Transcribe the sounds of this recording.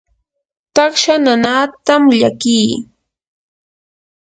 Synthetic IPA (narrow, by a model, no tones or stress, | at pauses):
t̪ɑχʃananaːt̪amʎakiː